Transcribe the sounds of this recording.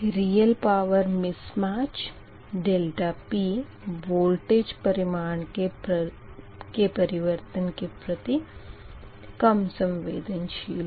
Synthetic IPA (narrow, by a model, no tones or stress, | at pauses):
ɾiːjəlpaːʋəɾmɪsmaːt͡ʃ | ɖeːlʈapiː | ʋoːlʈeːd͡ʒpɐɾɪmaːɳke | kepɐɾɪʋəɾt̪ənkepɾɐt̪i | kɐmsɐ̃mʋeːd̪ənʃiːl